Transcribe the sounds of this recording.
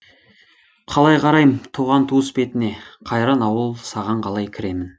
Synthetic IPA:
qʰɑlˠɑjqʰɑɾɑjmt̪ʰuʁɑnt̪ʰuəspe̞t̪ɪne̞qʰɑjɾɑnɑwəlˠsɑʁɑɴqʰɑlˠɑjkʲʰɪɾe̞mɪn

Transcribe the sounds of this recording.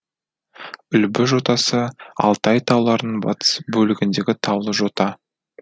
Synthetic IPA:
ʏlbɪʒo̞t̪ɑsəɑ̰lˠt̪ɑjt̪ʰɑwlˠɑɾənbɑ̰t̪ə̥sbɵlɪɡʲɪnd̪e̞ɡʲɪt̪ʰɑwlˠəʒo̞t̪ɑ

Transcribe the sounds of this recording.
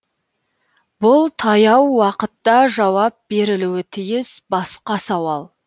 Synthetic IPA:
bʊlˠt̪ʰɑjɑwːɑqət̪ːɑʒɑwɑp̚be̞ɾɪluwɪt̪ʰɪjɪsbɑsqɑsɑwɑlˠ

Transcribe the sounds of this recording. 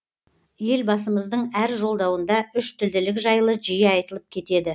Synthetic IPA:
je̞lbɑsəməzd̪əɴæɾʒo̞lˠd̪ɑwənd̪ɑʏʃt̪ʰʏld̪ɪlɪkʒɑjlˠəʒijɑjt̪əlˠəp̚kʲʰe̞t̪e̞d̪ɪ

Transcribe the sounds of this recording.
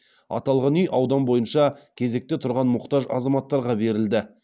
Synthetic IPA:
ɑ̰t̪ɑlˠʁɑnʏjʔɑwd̪ɑnbo̞jənʃɑkʲʰe̞ze̞k̚t̪e̞t̪ʰʊɾʁɑnmʊqt̪ɑʒɑ̰zɑmɑt̪ːɑɾʁɑbe̞ɾɪld̪ɪ

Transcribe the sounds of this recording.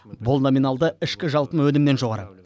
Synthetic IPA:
bʊlˠno̞minɑlˠd̪əɪʃkʲɪʒɑlˠpənwɵnɪmne̞nʒo̞ʁɑɾə̰

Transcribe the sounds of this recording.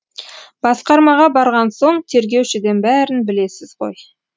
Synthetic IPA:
b̥ɑsqɑɾmɑʁɑbɑɾʁɑnso̞ɴt̪ʰe̞ɾɡʲe̞wʃɪd̪enbæɾɪnbɪle̞sɪzqo̞̰j

